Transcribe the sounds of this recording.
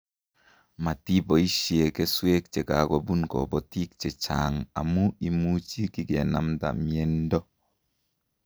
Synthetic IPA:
ma˨ti˦bɔ˨i˦ʃi˨e˨kɛ˦swe˦k̚t͡ʃe˨ka˨ɡɔ˨bu˦nkɔ̰˨bɔ˨ti˦k̚t͡ʃɛ˨t͡ʃa̰˨ŋa̰˨mu˦i˨mu˦t͡ʃi˦ki˦ɡe˨na̰˨mta̰˨mi˨e˨ndɔ˦

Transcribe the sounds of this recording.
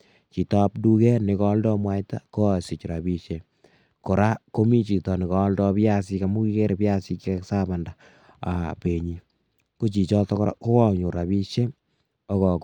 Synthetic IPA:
t͡ʃi˨tɔ˦pdu˦kɛ˦nɪ˨kɔ˦ldɔ˦mwa˦jta̰˦ko˦˨si˨t͡ʃɾa˨bi˦ʃe˦ | ko˨ɾa˦ko˦mi˦t͡ʃi˨tɔ˨ni˨kɔ˨˦ldɔ˦pja˦si˦ka˨mu˦ki˦ke˦ɾe˨pja˦si˦kkksa˦ba˨nda˨ | a˨pe˨ɲi˨ | ko˦t͡ʃi˨t͡ʃɔ˦tɔ˦kɾ̰ko˦kɔ˦˨ɲo˨ɾa˨bi˦ʃe˦ | ɔ˦kɔ˨

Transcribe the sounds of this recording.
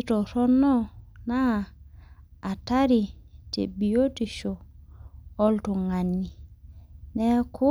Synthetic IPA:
tɔ˨ɾɔ˦nɔ˦na˦˨ | ta˦ɾi˨tḛ˨bi˨jo˦ti˨ʃo˨ | ɔ˦ltu˨ŋa˨nːi˨ | nɛ˦ku˦

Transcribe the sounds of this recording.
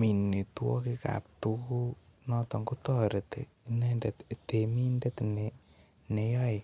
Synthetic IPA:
mi˨nːi˨twɔ̰˦ki˦ka̰˨p̚tuku˦nɔ˦t̪ɔ˨ŋɡu˦tɔ˦ɾe˨t̪ḛ˨ | ne˦nde˨t̪te˨mi˦ndɛ˦t̪ne˨ | ne˨jɔ˦i˨

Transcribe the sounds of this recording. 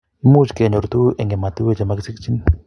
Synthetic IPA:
mu˦t͡ʃke˨ɲɔ˨ɾt̪u˦ʔɛ˨ŋɡe˨ma˨t̪u˦e˦˨t͡ʃa˨ma˦ksi˦k̚t͡ʃi˦n

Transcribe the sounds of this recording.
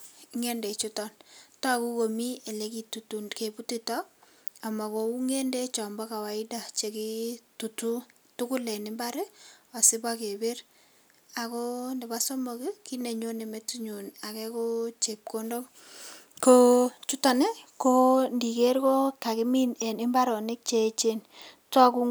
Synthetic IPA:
ŋe˦nde˨t͡ʃu˦tɔ˦nta˦˨ku˦ko˨mi˦e˨le˨˦ki˨tu˨tu˨nke˨pu˦ti˦tɔ˦ | a˨ma˨ko˨ku˦ŋe˦nde˦t͡ʃɔ˨mbɔ˦ka˨wa˨ɪ˦da˨t͡ʃe˨ki˦tu˨tu˦ | tu˦kʊ˦le˨nɪ˨mba˦ɾe˦a˨sɪ˦bake˨be˦r | a˨ko˦nɛ˨ba˦so˦mo˨ki˦ki˦ne˨ɲo˦ne˨me˦ti˦ɲu˨na˨kɛ˦ko˦t͡ʃe˨p̚ko˦ndo˦m | ko˦t͡ʃu˦ta˨ne˦ko˦ndi˨ke˦ɾko˦ka˨kɪ˦mi˦ne˨nɪ˦mba˦ɾo˨nɪ˦k̚t͡ʃe˦t͡ʃe˦n | tɔ˦ku˦

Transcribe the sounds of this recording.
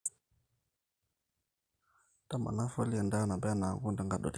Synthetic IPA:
ta˦ma̰˨na˦fo˦li˦ja˨nda˦na˨be˦a˦na˨ɡu˦nda˦ŋɡa˦˨ɗo̰˨ti̥˦

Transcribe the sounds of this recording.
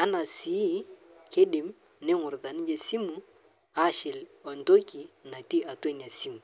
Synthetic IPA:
a˦na˨si˨˦ | ke˦ɗɪ˨m | nɪ˦ŋʊ˨ɾða˨ni˦d͡ʒe˨si˦mu˨ | a˦˨ʃɪ˨lɔ˨ndo˦ki˨na˨ti˦a˨te˦n˨a˨si˦mu˨

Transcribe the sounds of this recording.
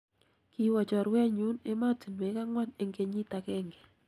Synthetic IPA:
ki˦wa˨t͡ʃɔ˨ɾwɛ˦ɲu˦ne˦ma˦ti˨nwe˨˦ka˦ŋwa˦ne˦ŋɡe˧ɲi˦ta˨kɛ˦ŋɡɛ̥˨

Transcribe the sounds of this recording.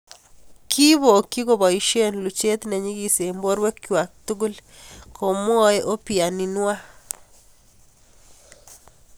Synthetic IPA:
ki˦βo˨ki˦ko˨bɔ˨i˨ʃe˦nlu˨t͡ʃe˦t̪nɛ˨ɲi˦ɡi˨se˨mbo˦ɾwe˦kjwa˨k̚t̪u˦ɡu˦l | kʰo˨m˦ɔ˦ɛ˦ʔo˦pi˨a˨ni˨nwa˦

